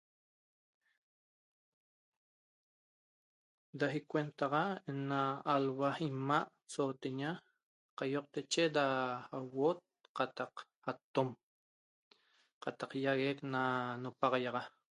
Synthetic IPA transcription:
d̪aɦikwent̪ɑʁaenaːlwaimaʔ | soːt̪eɲa | qajoq̚t̪et͡ʃedaawot̪̚qɑt̪ɑq | at̪om | qɑt̪ɑqjaɣeknanopɑʁɑjɑʁɑ

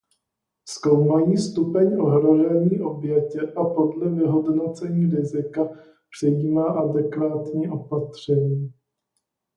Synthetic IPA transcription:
sko̞wmajiːst̪upɛɲʔoɦɾoʒɛɲiːʔo̞bjɛcɛʔapo̞dlɛvɪɦodno̞t͡sɛɲiːɾɪzɪka | pr̝̥ɛjiːmaːʔadɛkvaːt̪ɲiːʔo̞pat̪r̝̥ɛɲiː

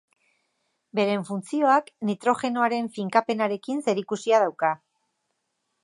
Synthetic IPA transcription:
be̞ɾe̞ɱfunt͡sio̞aknit̪ɾo̞xe̞no̞aɾe̞ɱfiŋkape̞naɾe̞kinse̞ɾikusiað̞awka

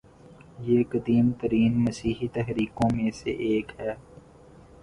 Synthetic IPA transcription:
jeːqɐd̪iːmt̪əɾiːnmɐsiːɦit̪ɛɦɾiːkõmẽsḛʔeːkɦɛː

